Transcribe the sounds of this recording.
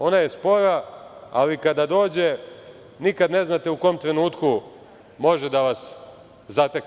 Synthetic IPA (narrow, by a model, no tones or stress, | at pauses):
o̞naje̞spo̞ɾaa̰likad̪ad̪o̞ːd͡ʑe | nikad̪ne̞znat̪euko̞mt̪ɾe̞nuːt̪ku | mo̞ʒed̪aʋas | zat̪ek